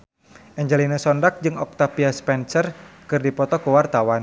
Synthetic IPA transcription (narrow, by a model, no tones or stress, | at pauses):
ʔɛɲd͡ʒɛlinasɔndak̚d͡ʒɨŋɔk̚t̪apiaspɛnsərkɨrdipɔt̪ɔkuwart̪awan